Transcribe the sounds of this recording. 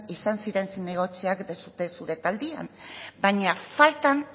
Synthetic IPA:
isansiɾe̞nsine̞ɣ̞o̞t͡siakd̪esut̪e̞suɾe̞t̪ald̪ia̰mbaɲafalt̪an

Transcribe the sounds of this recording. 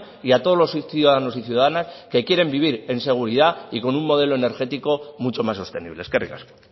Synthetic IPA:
iat̪o̞zlo̞sθjuðaðano̞siθjuðaðanaske̞kje̞ɾe̞mbiβ̞iɾe̞nse̞ɣ̞uɾiðaiko̞nummo̞ð̞e̞lo̞ene̞ɾxe̞t̪iko̞mut͡ʃo̞masːo̞st̪e̞niβleskerḭka̰sko̥

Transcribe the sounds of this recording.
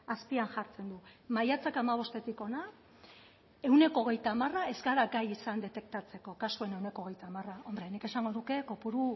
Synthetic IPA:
aspiaŋʝaɾt͡se̞nd̪umajat͡sakamaβ̞o̞st̪e̞t̪iko̞na | e̞wne̞ko̞ːɣ̞e̞jt̪aːmarae̞zɡaɾaɡajisand̪e̞t̪e̞k̚t̪at͡se̞ko̞kasue̞ne̞wne̞koɣ̞e̞jt̪amarao̞mbɾe̞nike̞saŋɡo̞nuke̞ko̞puɾu

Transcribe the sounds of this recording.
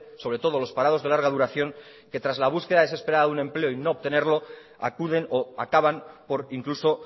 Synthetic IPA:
so̞β̞ɾe̞t̪o̞ð̞o̞lo̞spaɾað̞o̞zðe̞laɾɣað̞uɾaθjo̞ŋ | ke̞t̪ɾazlaβ̞uske̞ðaese̞speɾaðaðunẽ̞mple̞oino̞ːβ̚t̪e̞ne̞ɾlo̞ | a̰kuð̞e̞noakaβampo̞ɾiŋkluso̞

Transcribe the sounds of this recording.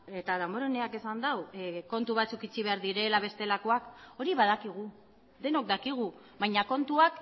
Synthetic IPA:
e̞t̪aðamboɾoneake̞sand̪awko̞nt̪uβ̞at͡sukit͡siβe̞aɾðiɾe̞laβ̞e̞st̪e̞lako̞ako̞ɾiβað̞akiɣ̞u | ðe̞no̞k̚d̪akiɣ̞u | βajɲako̞nt̪uak

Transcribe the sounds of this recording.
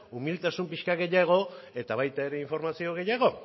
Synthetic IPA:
umilt̪asumpiʃkaɡe̞jaɣ̞o̞e̞t̪aβ̞ajt̪ae̞ɾe̞iɱfo̞ɾmasio̞ɣ̞e̞jaɣ̞o̞

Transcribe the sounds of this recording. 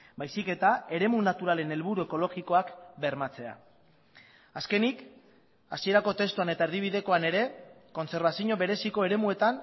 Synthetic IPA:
bajsike̞t̪ae̞ɾe̞munat̪uɾale̞ne̞lβuɾue̞ko̞lo̞ɣiko̞akbe̞ɾmat͡se̞a̰ | aske̞nik | asie̞ɾako̞t̪e̞st̪uane̞t̪aeɾðiβ̞iðe̞ko̞ane̞ɾe̞ko̞nse̞ɾβasiɲo̞βe̞ɾe̞siko̞e̞ɾe̞mue̞t̪an

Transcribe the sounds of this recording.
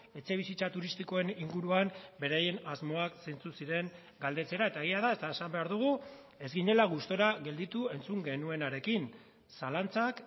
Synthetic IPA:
e̞t͡se̞β̞isit͡sat̪uɾist̪iko̞e̞niŋɡuɾuambe̞ɾaje̞nazmo̞aksejnt͡susiɾe̞ŋ | ɡald̪e̞t͡se̞ɾae̞t̪ae̞ɣ̞iað̞aest̪aesambe̞aɾðuɣ̞u | e̞zɡiɲe̞laɣ̞ust̪o̞ɾaɣe̞ld̪it̪ue̞nt͡suŋɡe̞nue̞naɾe̞kin | salant͡sak

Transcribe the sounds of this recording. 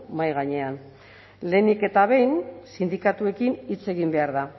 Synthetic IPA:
majɣaɲe̞an | le̞nike̞t̪aβ̞e̞jnsind̪ikat̪ue̞kinit͡se̞ɣimbe̞aɾða

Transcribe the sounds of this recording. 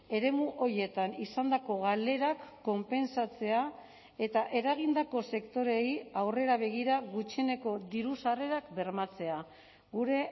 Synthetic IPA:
e̞ɾe̞muʔo̞ɾje̞t̪anisand̪ako̞ɣale̞ɾakːo̞mpe̞nsat͡se̞a | e̞t̪aʔe̞ɾaɣ̞ind̪ako̞se̞kt̪o̞ɾe̞jawre̞ɾaβ̞e̞ɣ̞iɾaɣut͡ʃene̞ko̞d̪iɾusare̞ɾakbe̞ɾmat͡se̞a | ɣuɾe̞

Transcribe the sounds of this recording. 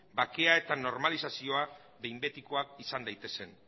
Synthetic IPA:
bake̞ae̞t̪ano̞ɾmalisasio̞a | ðe̞jmbe̞t̪iko̞akisand̪ajt̪e̞se̞n

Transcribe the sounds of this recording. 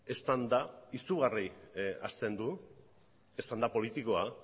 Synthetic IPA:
e̞st̪and̪aisuɣaria̰st̪e̞nd̪u | e̞st̪and̪apo̞lit̪iko̞a

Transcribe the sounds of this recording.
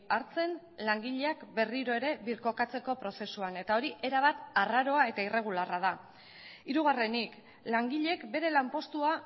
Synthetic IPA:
aɾt͡se̞n | laŋɡiʎe̞akbe̞riɾo̞eɾe̞βiɾko̞kat͡se̞ko̞pɾo̞se̞suane̞t̪ao̞ɾiʔe̞ɾaβat̪araɾo̞ae̞t̪aire̞ɣ̞ularað̞a | iɾuɣ̞are̞nik | laŋɡiʎe̞kbe̞ɾe̞lampo̞st̪ua

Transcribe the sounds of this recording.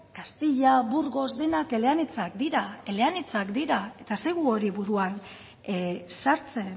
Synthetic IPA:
kast̪iʎabuɾɣo̞zd̪e̞nake̞le̞anit͡sakd̪iɾae̞le̞anit͡sakd̪iɾae̞t̪ase̞ɣuo̞ɾiβuɾuan | saɾt͡se̞n

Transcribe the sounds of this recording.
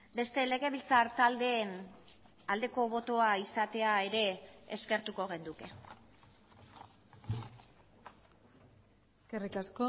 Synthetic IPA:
be̞st̪e̞le̞ɣ̞e̞β̞ilt͡saɾt̪ald̪eːn | ald̪e̞ko̞βo̞t̪o̞aisat̪e̞ae̞ɾe̞ːske̞ɾt̪uko̞ɣ̞end̪uke̞ | eskerikasko

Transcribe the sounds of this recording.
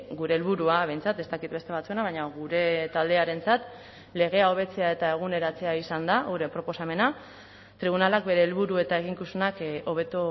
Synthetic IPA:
ɡuɾe̞ːlβuɾuaβe̞jnt͡sat̪e̞st̪akit̪be̞st̪e̞β̞at͡sue̞naβaɲaɣuɾe̞t̪ald̪e̞aɾe̞nt͡sat̪ | le̞ɣ̞e̞ao̞β̞e̞t͡se̞ae̞t̪ae̞ɣ̞une̞ɾat͡se̞aisand̪auɾepɾo̞po̞same̞na | t̪ɾiβ̞unalakbe̞ɾe̞ːlβuɾue̞t̪aeɣ̞iŋkusunako̞β̞e̞t̪o

